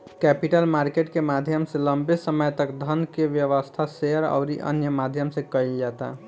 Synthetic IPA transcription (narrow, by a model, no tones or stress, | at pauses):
kɛpiʈəlmaɾkeʈkemad̪ʱjəmseləmbesəməjt̪əkd̪ʱənkeʋjəʋəst̪ʰaseəɾa̰ʊɾḭʔə̰njəmad̪ʱjəmsẽkəild͡ʒat̪a̰